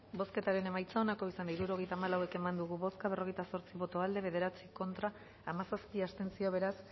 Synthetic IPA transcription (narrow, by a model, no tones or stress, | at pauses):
bo̞ske̞t̪aɾe̞ne̞majt͡saonako̞isanaiɾuɾo̞ɣ̞ejt̪aːmalawe̞ke̞mand̪uɣuβo̞skaβ̞ero̞ɣ̞e̞jt̪aso̞ɾt͡siβo̞t̪o̞ald̪e̞β̞e̞ðe̞ɾat͡siko̞nt̪ɾaː | masaspiast̪e̞nsio̞βe̞ɾas